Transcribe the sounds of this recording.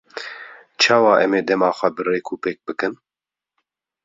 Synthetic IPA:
t͡ʃʰɑːwɑːʔɛmeːd̪ɛmɑːxʷɛbɨreːkʰuːpeːk̚bɨkɨn

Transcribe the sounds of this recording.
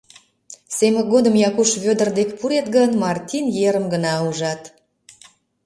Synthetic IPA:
semə̆ɡod̪əmjɑkuʃβød̪ərd̪ekpuɾet̪̚ɡənmɑrt̪ʲinjeɾəmɡənɑuʒɑt̪

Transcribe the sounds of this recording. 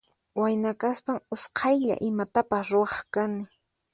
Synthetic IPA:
wajnakaspaŋʊsqʰɑjʎa̰ʔɪmat̪apasɾʊɑχkanɪ

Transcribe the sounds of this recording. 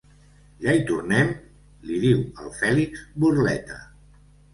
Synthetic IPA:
ʎait̪urnɛm | liðiwəlˠfɛliksburlɛt̪ə̰

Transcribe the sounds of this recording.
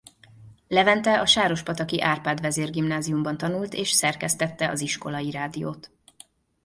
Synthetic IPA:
lɛvɛnt̪ɛʔɒʃaːɾo̞ʃpɒt̪ɒkiʔaːrpaːd̪vɛzeːrɡimnaːzijumbɒnt̪ɒnult̪eːʃsɛrkɛst̪ɛt̪ːɛɒ̰ziʃko̞lɒjiɾaːd̪ijo̰ːt̪

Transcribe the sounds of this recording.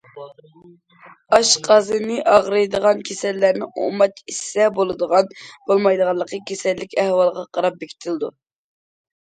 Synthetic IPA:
ɑʃqʰɑzɨnɨʔɑʁɾɨjd̪əʁɑnkʲʰesɛlːæɾnɪo̰mɑt̪isːɛbolˠɨd̪əʁɑnb̥olˠmɑjd̪əʁɑlːˠəqəkʲʰesɛlːɪkʲɛhwɑlˠʁɑqʰɑɾɑp̚bekʰʲi̥t̪ʰɪld̪ṵ

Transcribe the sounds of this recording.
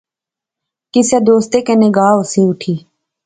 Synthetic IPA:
kɪseːd̪oːst̪eːkeːnɪɡaːɦoseːʊʈʰiː

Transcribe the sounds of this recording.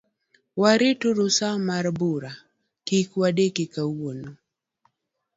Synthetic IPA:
waɾituɾusamaɾbuɾa | kikuwaɗɛkikawɔnɔ

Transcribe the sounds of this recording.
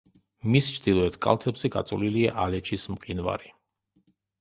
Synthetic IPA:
mist͡ʃʰd̪̥ilˠɔɛt̪ʰkʼa̰lˠt̪ʰɛbzɛɡa̰t̪sʼuliliaʔalɛt͡ʃʰismqʼinva̰ɾi

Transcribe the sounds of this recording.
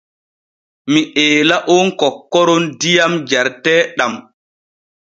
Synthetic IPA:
miʔɛːlaʔɔnkɔkːɔɾɔndijamd͡ʒaɾtɛːɗam

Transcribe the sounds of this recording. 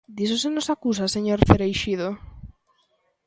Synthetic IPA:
d̪isosenosakus̬aseɲoɾfeɾejʃiðo

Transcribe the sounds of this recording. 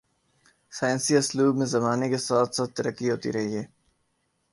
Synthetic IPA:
saːjːnsiɐsluːbmẽzɐmaːnekesaːt̪saːt̪t̪ɐɾəkːiɦoːt̪ḭɾɐɦieː

